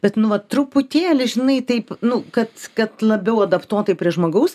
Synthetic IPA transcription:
b̥ʲɛt̪nʊʋɐt̪ɾʊpʊt̪ʲeːlʲɪʒʲɪnɐɪt̪ɐɪpnʊkɐt̪kɐt̪lˠɐbʲɛʊɐd̪ɐpt̪uɔt̪ɐɪpʲɾʲiɛʒmoːɡɐʊs

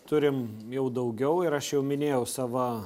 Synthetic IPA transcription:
t̪ʊɾʲɪm | jɛʊd̪ɐʊɡʲɛʊɪɾɐʃjɛʊmʲɪnʲeːjɛʊsɑːʋɐ

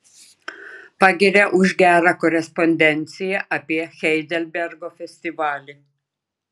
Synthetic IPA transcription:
pɑɡʲɪɾʲɛʔʊʒʲɡʲæːɾɑkɔɾʲɛspɔnʲd̪ʲɛnʲt̪sʲɪjɛʔɐpʲiɛxʲɛɪd̪ʲɛlʲbʲɛɾɡoːfʲɛsʲt̪ʲɪʋɑːlʲɪ

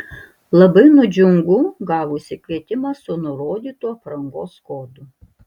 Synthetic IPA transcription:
lˠɐbɐɪnʊd͡ʒʲʊŋɡuːɡɑːʋʊʃsʲɪkʋʲiɛt̪ʲɪmɑːsʊnʊɾoːd̪ʲiːt̪uːɐpɾɐŋɡoːskoːd̪ʊ

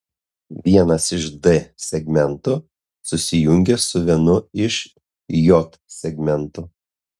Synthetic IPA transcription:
ʋʲiɛnɐsɪʃd̪ɛsʲɛɡʲmʲɛnt̪ʊ | sʊsʲɪjʊŋʲɡʲɛsʊʋʲiɛnʊɪʃ | jɔt̪sʲɛɡʲmʲɛnt̪ʊ

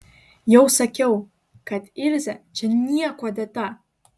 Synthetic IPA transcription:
jawsakʲʰaw | kʰatʰʼirzad͡ʒʰɨnːijakʷʰadatʼa

